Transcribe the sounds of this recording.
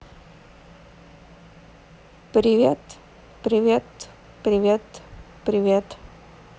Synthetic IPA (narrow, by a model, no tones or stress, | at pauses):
pɾʲɪvʲet̪ | pɾʲɪvʲet̪ | pɾʲɪvʲet̪ | pɾʲɪvʲet̪